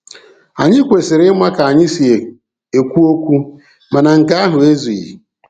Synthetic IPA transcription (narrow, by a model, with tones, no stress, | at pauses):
a˨ɲɪ˦kʷe˨sɪ˨ɾɪ˦ma˦ka˨a˨ɲɪ˦si˨e˨ | e˨kʷu˦o˦kʷu˦ | ma˨na˨ŋ̩˨ka˦a˦ɦʊ˨e˦zu˨ḭ˨